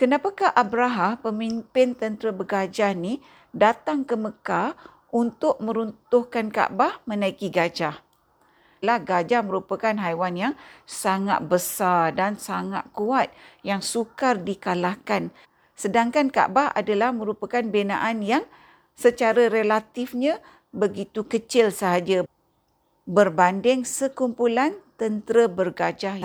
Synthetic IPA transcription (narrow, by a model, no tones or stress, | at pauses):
kənapakahʔabɾaɦampəmimpɪnt̪ənt̪ɾəbəɡad͡ʒani | dat̪aŋkəməka | ʔunt̪ʊʔ̚mə̃ɾunt̪ʊhkanka̰ʔbahmə̃naikiɡad͡ʒah | lahɡad͡ʒamə̃ɾupakanɦajwanjaŋsaŋa̰t̪̚bəsadansaŋa̰t̪̚kuat̪̚jaŋsukardikalakan | sədaŋkanka̰ʔbahɦa̰dalahmə̃ɾupakanbena̰ʔanjaŋ | sət͡ʃaɾaɾəlat̪ɪfɲã | bəɡit̪ukət͡ʃɪlsəɦad͡ʒa | bərbandɪŋsəkumpulant̪ənt̪əɾəbərɡad͡ʒah